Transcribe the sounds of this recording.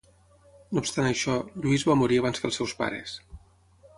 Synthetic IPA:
noːpst̪anəʃɔʎuizβamuɾiəβanzkəlˠsɛwspa̰ɾə̰s

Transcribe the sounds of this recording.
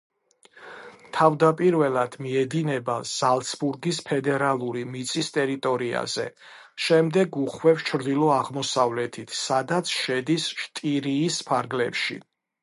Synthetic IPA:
t̪ʰavd̪apʼiɾvɛlˠad̪̥miɛd̪inɛbaz̥alˠt̪sbuɾɡispʰɛd̪ɛɾalˠuɾimit̪sʼist̪ʼɛɾit̪ʼɔɾia̰z̥ɛ̰ | ʃɛmd̪ɛɡuχwɛfst͡ʃʰɾd̪ilˠɔaʁmɔsavlɛt̪ʰit̪ʰsad̪at̪sʰʃɛd̪isʃt̪ʼiɾiːspʰaɾɡlɛ̰pʃḭ

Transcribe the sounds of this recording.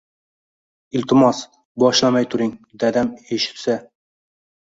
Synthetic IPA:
ɪlt̪ʰɪmɒs | bɒʃlˠamajt̪ʰʊɾɪŋd̪ad̪ameʃɪ̥psa

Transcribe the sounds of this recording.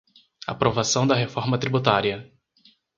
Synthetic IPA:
a̰pɾovasɐ̃w̃d̪ɐɦefɔɾmɐt̪ɾibut̪aɾiɐ

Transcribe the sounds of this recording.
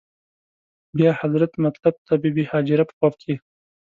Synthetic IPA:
bjɑhazɾat̪mat̪lab̚t̪ʰabibihɑːd͡ʒɪɾapə̥pɑp̚kʰe

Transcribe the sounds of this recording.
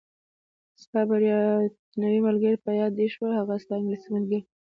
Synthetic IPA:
st̪ɑbaɾjɑ | nawimalɡəɾpəjɑd̪ːeʃwəlhaɣast̪ɑɪŋɡlisimalɡəɾ

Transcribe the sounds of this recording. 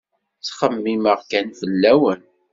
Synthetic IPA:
t͡sχəmːiməʁkænfəlːæwən

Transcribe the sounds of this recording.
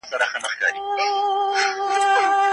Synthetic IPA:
saɾaxənəχkɑ̰ɾi

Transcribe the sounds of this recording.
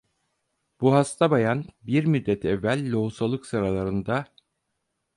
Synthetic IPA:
b̥uɦast̪ʰabajanbiɾmyd̪ːɛt̪ʰɛvːælʲːo̞usalˠɯksɯɾalˠaɾɯnd̪a

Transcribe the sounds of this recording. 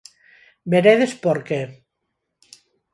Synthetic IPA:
beɾeðespoɾke

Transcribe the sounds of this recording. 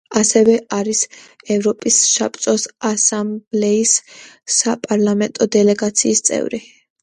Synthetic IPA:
asɛvɛʔaɾisɛvɾɔpʼisʃa̰p̪ʼsʼɔsasamblɛisː | apʼaɾlˠamɛnt̪ʼɔd̪ɛlɛɡat̪sʰiːst̪sʼɛ̰vɾi

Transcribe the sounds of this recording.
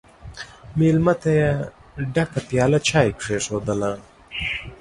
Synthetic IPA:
miːlmɐt̪ɐjɐɖɐkɐp̪jaːlɐt͡ɕʰaːjkʂeːʂoːd̪ɐla

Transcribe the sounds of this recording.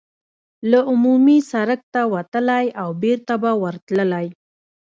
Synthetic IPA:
laʊmumisaɾək̚t̪awat̪əlajawbeɾt̪abawəɾt̪ləlaj

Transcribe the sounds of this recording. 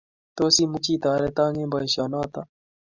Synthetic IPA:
t̪oːsiːmut͡ɕiːt̪aːɾet̪ãːŋẽːbaiɕaːnaːt̪aː

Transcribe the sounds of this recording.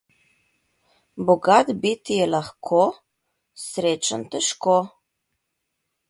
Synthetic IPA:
boɡat̪bit̪ijelaxkʰo | sɾʲet͡ʃənt̪əʃko

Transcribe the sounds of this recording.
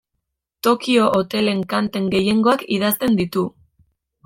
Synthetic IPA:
t̪o̞kio̞ʔot̪e̞le̞ŋkant̪e̞ŋɡe̞je̞ŋɡo̞akiðast̪e̞nd̪it̪u

